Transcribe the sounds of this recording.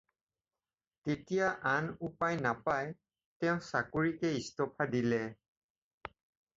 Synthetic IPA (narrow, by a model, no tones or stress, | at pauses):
tetijaʔanupajnapaj | tɛʊ̃sakoɹikɛistɔpʰadilɛ